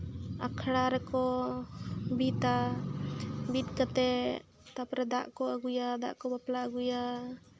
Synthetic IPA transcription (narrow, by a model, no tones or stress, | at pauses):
a̰kʰɽaɾɛkɔ | bit̪a | bit̪̚kat̪ɛ | t̪apɾɛd̪aʔkɔəɡujad̪a̰ʔkɔbaplaəɡuja